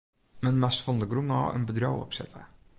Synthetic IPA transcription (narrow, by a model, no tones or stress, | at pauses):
mənmastfɔndəɡɾumɑ̰ːə̰nbədɾowɔ̰psɛ̰tə̰